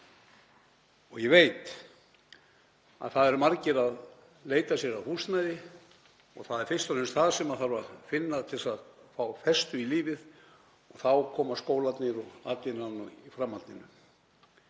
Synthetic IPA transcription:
ɔɣjɛveːjt̪ | a̰ðθaðɛɾmaɾcɪɾað | leːjt̪asjɛɾaðhust̪najðɪ | ɔ̰ɣθaðɛɾ̥fɪr̥st̪aɾɪnst̪θaðsɛmaðθaɾvafɪnːat̪ʰɪlsaðfawfɛst̪ʏiliːvɪð | ɔθawkʰɔːmaskoːwlat̪nɪɾɔɣaːt̪ɪnanːʏifɾamːalt̪nɪnːʏ

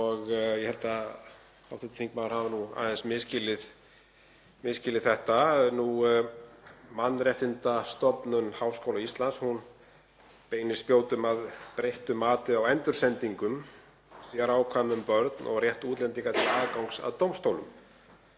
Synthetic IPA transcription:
ɔɣjɛhɛlt̪a | awθɛt̪θiŋk̚manʏɾhavanua̰ːðɛnsmɪðscɪlɪð | mɪscɪlɪðθɛht̪anu | manːrjɛht̪ɪnt̪ast̪ɔpnʏnhawskowlaist̪lanshun | peːjnɪ̥spjoːwt̪ʏmaðpɾejht̪ʏmaːt̪ɪawɛnt̪ʏɾ̥sɛnt̪iŋkʏm | siɣaɾaːwkʰvaːmʏmpœɾt̪nʔɔ̰ɣrjɛht̪uːt̪lɛnt̪iŋkat̪ʰɪlaːðkawŋksa̰ðt̪owmst̪owlʏm

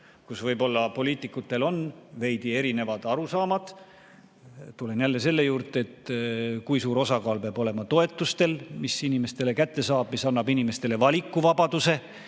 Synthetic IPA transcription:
kusvɤjbo̞lːɑpo̞liːt̪ˑikːˑut̪ːˑe̞lo̞nve̞jd̪̥ie̞ɾine̞vɑd̪̥ɑɾusɑːmɑd̪̥ | t̪ːule̞njælːe̞se̞lːe̞juːrt̪ˑeet̪kujsuːɾo̞sɑkɑːlpeɑːbo̞le̞mɑt̪o̞e̞t̪ːˑust̪e̞lmisinime̞st̪e̞lekæt̪ːe̞sɑːb̥misɑnːɑbinimest̪e̞le̞vɑlʲikːˑuvɑbɑd̪̥use̞

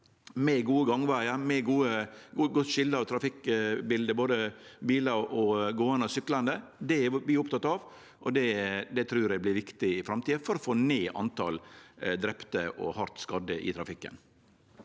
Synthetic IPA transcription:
mɛɡuːəɡɑŋʋæɪəmɛɡuːəɡʊt̪ːʃɪlːəɑʋt̪ʰɾɑfɪkbɪld̪əboːd̪əbiːlɑɾʔɔɡoːɑnəsʏklɑnd̪əd̪ɛæʋɪʊpt̪ʰɑt̪ːɑʋ | ʔɔd̪ɛd̪ɛt̪ʰɾʉːɾæɪblɪɾʋɪkt̪ɪɪfɾɑmt̪iːəfɔɾɔfoːneːʔɑ̰nt̪ʰɑ̰ld̪ɾɛpt̪əʔɔ̰hɑɾt̪skɑd̪əʔɪ̰t̪ʰɾɑfɪkːə̰n

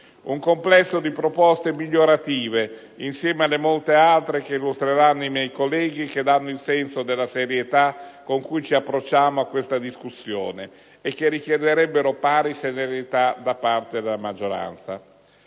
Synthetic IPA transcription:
uŋkomplɛsːod̪ipɾopɔst̪emiʎːoɾat̪iːve | insjɛːmealːemolt̪ealt̪ɾek̟eilːust̪ɾeɾanːʊimjɛjkolːɛːɡik̟ed̪anːoilsɛnsod̪elːaseɾjet̪akːoŋkujt͡ʃiapːɾot͡ʃːaːmoakːwest̪ad̪iskusːjo̰ːneː | kːerːik̟jɛd̪eɾɛbːeɾopaːɾiseneɾet̪ad̪apːart̪ed̪elamad͡ʒːoɾa̰nt̪sa̰

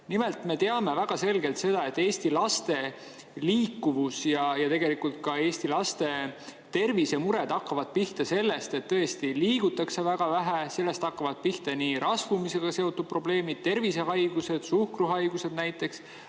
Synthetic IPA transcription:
nime̞lt̪me̞t̪e̞ɑme̞væɡ̥ɑse̞lɡe̞lt̪se̞d̪ɑe̞t̪ːeːst̪ilɑst̪e̞ | liːkːuvusjɑjɑt̪e̞ɡe̞likult̪̚kɑe̞ːsʲt̪ilɑst̪e̞t̪e̞rvise̞muɾe̞d̪ɑkːɑvɑd̪̥̚piht̪ɑse̞lːe̞st̪e̞t̪ːɤ̞e̞st̪iliːɡut̪ːˑɑkse̞væɡ̥ɑvæɦæse̞lːe̞st̪ɑkːɑvɑd̪̥̚piht̪eniɾʔɑsvumise̞ɡ̥ɑse̞o̞t̪ːˑud̪̚pro̞ble̞ːmid̪̥̚t̪e̞rvise̞ɦɑjɡ̥use̞d̪̥suhkruɦɑjɡ̥use̞d̪̚næjt̪ːˑe̞ks

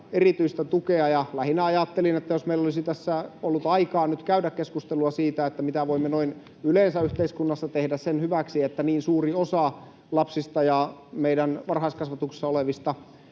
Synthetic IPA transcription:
erit̪yist̪æt̪ukeɑjɑlæhinæɑjɑt̪ːelinet̪ːæjosmeilːolisit̪æsːæolːut̪ɑikɑːnyt̪kæydækkeskust̪eluɑsiːt̪æet̪ːæmit̪æʋoimːenoin | yleːnsæyht̪eiskunːɑsːɑt̪ehdæssenhyʋæksiet̪ːæniːnsuːriosɑ | lɑpsist̪ɑjɑmeidænʋɑrhɑˑiskɑsʋɑt̪uksi̥sːɑoleʋist̪ɑ

